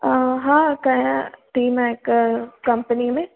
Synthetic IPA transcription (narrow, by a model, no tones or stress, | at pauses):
ɦãːkɐjãʈiːmɛ̃ɪkkɐmpənimẽ